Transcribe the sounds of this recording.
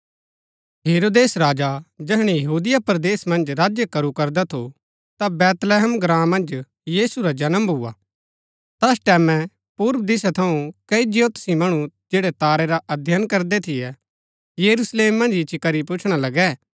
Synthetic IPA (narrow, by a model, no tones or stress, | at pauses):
ɦeːɾoːd̪eːsɾaːd͡ʒad͡ʒɛɦɽ̃ijɐɦuːd̪ɪjapɾd̪eːsmɐ̃nd͡ʒɾaːd͡ʒjəkɐɾukɐɾd̪at̪ʰo | t̪abɛːt̪lɛɦəmɡɾãːmːɐ̃nd͡ʒ | jiːsuɾad͡ʒɐnəmbɦʊa̰ | t̪ɐsʈɛːmɛ̃ | puːɾbd̪ɪsat̪ʰɐũkɐid͡ʒɪjot̪simɐɽ̃ũd͡ʒeːɽɛt̪aːɾɛɾaʔɐd̪ʱjaːnkɐɾd̪ɛt̪ʰɪjɛ | jəɾusleːmːɐ̃nd͡ʒɪt͡ʃikɐɾipʊt͡ʃʰɽ̃alɐɡɛː